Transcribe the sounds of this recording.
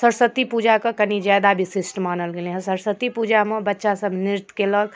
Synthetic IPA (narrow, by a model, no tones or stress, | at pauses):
səɾsət̪ːipuːd͡ʒakəkənid͡ʒaːd̪abʱisisʈmaːnəlɡelẽɦsəɾsət̪ːipud͡ʒamẽbətːʃasəbʱniɾt̪keləːl